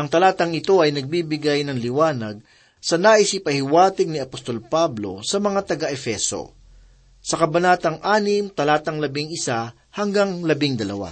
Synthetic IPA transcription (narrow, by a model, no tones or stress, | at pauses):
ʔɐŋt̪ɐlaːt̪ɐŋɪt̪o̞ʔɐjnɐɡ̚bibɪɡajnɐŋlɪwaːnɐɡ̚ | sɐnaʔɪsipɐhɪwaːt̪ɪɡnɪɐpost̪o̞lpablo̞̰sɐmɐŋat̪ɐɡaʔɛfɛso̞̰ | sɐkɐbɐnaːt̪ɐŋʔaːnɪmt̪ɐlaːt̪ɐŋlɐbɪŋɪsa | hɐŋɡaŋlɐbɪŋd̪ɐlɐ̰wa̰